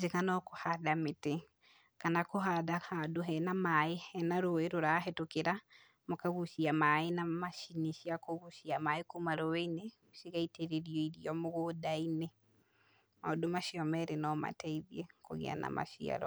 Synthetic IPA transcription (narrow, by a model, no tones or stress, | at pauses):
d͡ʒekanɔkohaðamete | kanakoɦaðahadoɦɛnamaeɛnaɾoeɾoɾaɦetokeɾa | mokaɣuʃiamaenamaʃiniʃiakoɣuʃiamaekumaɾoweine | ʃiɣaiteɾeɾiɔiɾiɔmoɣodaine | madomaʃiɔmɛɾenɔma̰tɛiðjɛkoɣḛa̰na̰mʔa̰ʃḭa̰ɾɔ̰